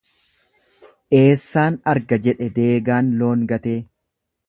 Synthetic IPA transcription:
ʔe̞ːsːaːnɐɾɡɐd͡ʒɛᶑɛd̪e̞ːɡaːnlo̞ːŋɡɐt̪eː

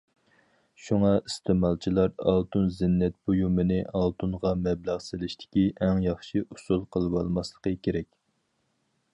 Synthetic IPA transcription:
ʃuŋɑist̪ʰɪmɑlˠt͡ʃʰilˠɑɾɑ̰lˠt̪unzɪnːɛt̪̚bojumɨnɨʔɑlˠt̪ʰunʁɑmɛblæʁsɪlɪʃt̪ʰɪ̥kʲiʔɛŋjɑχʃiʔusulˠqʰəlˠɨwɑlˠmɑslˠə̥qəkʲʰeɾɛkʲ

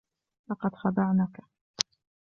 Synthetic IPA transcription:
lɑqɑd̪xɑd̪ˤɑʕnaka

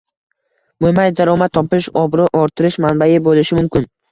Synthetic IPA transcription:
momajd̪aɾɒmat̪ʰːɒpɪʃɒbɾɪʔɒɾt̪ʰɪɾɪʃmanbajɪbolɪʃɪmʊmkʲɪn

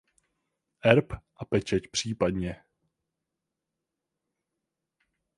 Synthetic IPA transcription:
ʔɛɾpʔapɛt͡ʃɛcpr̝̥iːpadɲɛ

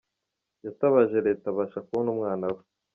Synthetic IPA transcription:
jataβaʒeɾeːtaβaʃakuonumŋaːnawe̥

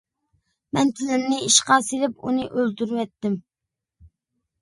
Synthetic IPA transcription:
mɛnt̪ʰɪlɪmnɪiʃqɑselɪpunɨʔølt̪yɾwɛt̪ːɪm

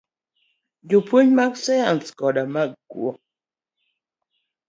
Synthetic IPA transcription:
d͡ʒupwuɲmaksɛanskɔdamakɡw̰ɔ

